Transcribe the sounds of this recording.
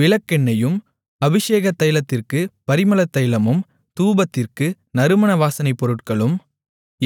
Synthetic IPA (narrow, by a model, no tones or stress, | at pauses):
ɪɭɐkːɛɳːɐjɯm | ɐbɪʂeːɣɐt̪ːɐjlɐt̪ːɪrkɯpɐɾɪmɐlɐt̪ːɐjlɐmɯm | t̪uːbɐt̪ːɪrkɯ | nɐɾɯmɐɳɐʋaːsɐnɐɪpːɔɾɯʈ̚kɐɭɯm